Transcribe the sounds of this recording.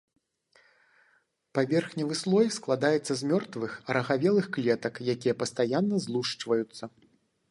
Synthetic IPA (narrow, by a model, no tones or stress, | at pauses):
pavʲɛrxnʲɐvɨslˠɔjsklˠad̪ajɛt̪sːɐzmʲɔrt̪vɨxɐɾɐɣavʲɛlˠɨxklʲɛt̪ɐkjakʲijɛpɐst̪ajanːɐzlˠuʂt͡ʂvɐjut̪sːɐ